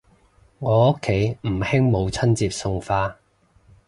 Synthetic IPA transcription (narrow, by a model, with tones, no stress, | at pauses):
ŋɔː˨˧ʊ˥kʰːe˨˥jm̩˨˩hɪ˥ŋmo˨˧wt͡sʰɐ˥nt͡siː˧p̚sʊ˧ŋfaː˧